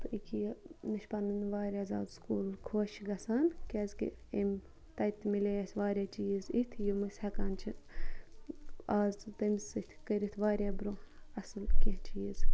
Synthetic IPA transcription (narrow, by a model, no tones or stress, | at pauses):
t̪ikʰijnɨʃpɐnɨnʋaːɾʲjaːzaːd̪skuːlkʰoːʃɡɐsaːnkʲɛːzkḭem | t̪ɐt̪mileːɐsʲʋaːɾʲaːt͡ʃiːzit̪ʰjumɨsʲhɐkaːnt͡ʃʰi | aːzt̪ɐmsɨt̪ʲʰkəɾʲit̪ʰʋaːɾʲaːbɾoːɐsɨlkʲit͡ʃiːz